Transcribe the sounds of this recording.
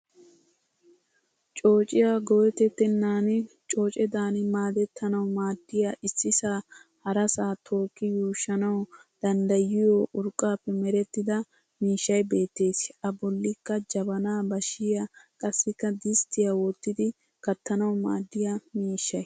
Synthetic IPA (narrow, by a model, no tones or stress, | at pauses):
t͡ʃʼo̞ːt͡ʃʼɪjaɡɔwɛt̪ɛt̪ːɛnːaːn | t͡ʃʼo̞ːt͡ʃʼɛd̪aːnmaːd̪ɛt̪ːɐnɐwmaːd̪ːɪjaʔɪsːɪsaː | hɐɾɐsaːt̪ʰo̞ːkːɪjuːʃːɐnɐwd̪̥ɐnd̪ɐjɪjoʔʊɾkʼːaːpːɛmɛɾɛt̪ːɪd̪ɐ | miːʃːɐjbe̞ːt̪ːe̞ːsʔɐbɔlːɪkːɐd͡ʒɐbɐnaːbɐʃɪjɐkʼɐsːɪkːɐd̪ɪst̪ɪjɐwɔt̪ːɪd̪ɪ | kɐt̪ːɐnɐwma̰ːd̪ːɪjamiːʃːɐj